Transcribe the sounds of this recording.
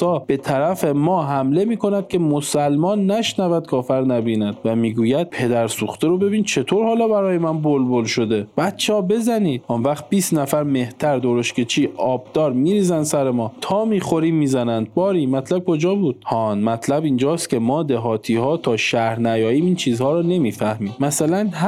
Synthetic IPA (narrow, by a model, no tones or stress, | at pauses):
sɒːb̥e̞t̪ʰæɾæfe̞mɒːɦæmle̞miːkʰo̞næd̪̥̚kʲʰe̞mosælmɒːnːæʃnævæd̪̥̚kʰɒːfæɾnæbiːnæd̪̥væmiːɡuːjæd̪̥̚pʰe̞d̪æɾsuːxt̪eɾo̞be̞biːnt͡ʃʰe̞t̪ʰoɾhɒːlɒːbæɾɒːjemænbolbolʃo̞d̪e̞b̥æt̪t͡ʃʰːehɒːbe̞zæniːd̪̥̚onvæχt̪̚biːst̪næfæɾme̞ht̪ʰæɾd̪oɾoʃkʰe̞t͡ʃʰiːʔɒːbd̪̥ɒːɾmiːɾiːzænd̪sæɾemɒːt̪ʰɒːmiːxo̞ɾiːmiːzænænd̪̥̚bɒːɾiːmæt̪ʰlæb̚kʰo̞d͡ʒɒːbuːd̪hɒːnmæt̪ʰlæbind͡ʒɒːst̪kʲʰe̞mɒːd̪eɦɒːt̪ʰiːhɒːt̪ʰɒːʃæhɾnæjɒːiːmint͡ʃʰiːzhɒːɾɒːne̞miːfæhmiːmæsælænɦ